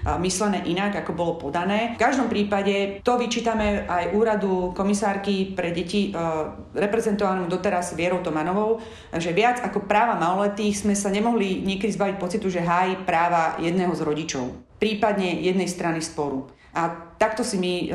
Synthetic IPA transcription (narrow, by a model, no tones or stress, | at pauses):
mislɛnɛːʔinaɡakɔbɔlɔpɔd̪anɛːfkaʒd̪ɔmpɾiːpaɟɛt̪ɔʋit͡ʃiːt̪amɛʔajʔuːɾad̪ukɔmisaːɾkipɾɛɟɛci | ɾɛpɾɛzɛnt̪ɔʋanɔmd̪ɔt̪ɛɾazʋɪɛɾɔʊt̪ɔmanɔʋɔʊ | ʒɛʋɪad͡zakɔpɾaːʋamaɔlɛt̪iːɣz̥mɛsaɲɛmɔɦliɲɪɛkɛd̪izbaʋic̚pɔt͡sit̪uʒɛɦaːjipɾaːʋajɛd̪nɛɦɔzɾɔɟit͡ʃɔ̰ʊ | pɾiːpad̪ɲɛjɛd̪nɛjst̪ɾanispɔɾu | ʔat̪akt̪ɔsimi